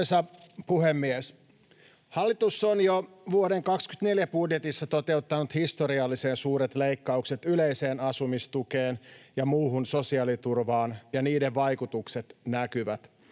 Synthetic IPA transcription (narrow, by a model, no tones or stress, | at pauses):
sɑpuhemːies | hɑlːit̪usːonjo | ʋuodeŋkɑksky̥t̪ne̞ljæpudjet̪isːɑt̪o̞t̪e̞ut̪ːɑnut̪hist̪o̞ɾiɑlːise̞ːnsuːɾet̪lejkːɑukse̞t̪yleise̞ːnɑsumist̪ukeːnjɑmuːɦunso̞siɑlit̪urʋɑːnjɑniːde̞ʋʋɑjkut̪ukse̞t̪nækyʋæt̪